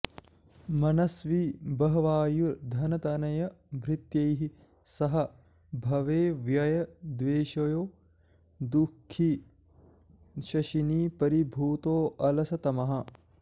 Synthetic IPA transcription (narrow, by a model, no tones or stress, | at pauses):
mɐnɐsʋibɐɦɐʋaːjuɾd̪ʱɐnɐt̪ɐnɐjɐbʱɾɪt̪jɐjɦi | sɐɦɐ̆ | bʱɐʋeːʋjɐjɐd̪ʋeːʃɐjoː | d̪ukʰːi | ʃɐʃiniːpɐɾibʱuːt̪oːʔɐlɐsɐt̪ɐmɐɦɐ̆